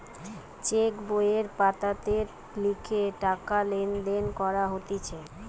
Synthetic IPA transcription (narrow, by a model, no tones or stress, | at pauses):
t͡ɕekbojeɾpat̪at̪eɾ | likʰeʈakalend̪enkɔɾaɦot̪et͡ɕʰe